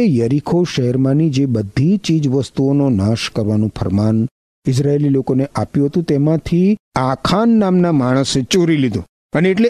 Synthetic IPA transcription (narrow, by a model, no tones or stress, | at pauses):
ejəɾikʰoʃəɦɛɾmãnid͡ʒebəd̪ʱit͡ʃid͡ʒʋəst̪uononaʃkəɾʋanũfʰə̰ɾman | ɪs̬ɾaelilokoneʔapjũɦət̪ũt̪emãt̪ʰiakʰanːamnamaɽ̃əset͡ʃoɾilid̪ṵ̃ | əneːʈle